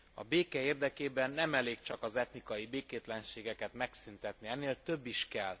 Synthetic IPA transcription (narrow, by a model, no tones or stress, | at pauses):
ɒ̰beːkɛeːrd̪ɛkeːbɛnːɛmɛleːkt͡ʃɒkɒzɛt̪nikɒjibeːkeːt̪lɛnʃeːɡɛkɛt̪mɛksynt̪ɛt̪niɛnːeːlt̪ø̞bːiʃkɛl